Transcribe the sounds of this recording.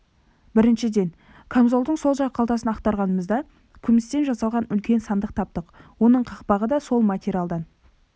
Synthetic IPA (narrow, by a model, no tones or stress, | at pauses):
bɪɾɪnʃɪd̪e̞ŋ | kʰomzo̞lˠd̪əɴso̞lˠʒɑʁəqʰɑlˠt̪ɑsənɑqt̪ɑɾʁɑnəməzd̪ɑ | kʲʰʏmɪst̪e̞nʒɑsɑlˠʁɑnʏlkʲe̞nsɑnd̪əq̚t̪ʰɑp̚t̪əqwo̞nəɴqʰɑqpɑʁəd̪ɑso̞lˠmat̪ʲeɾʲijalˠd̪ɑn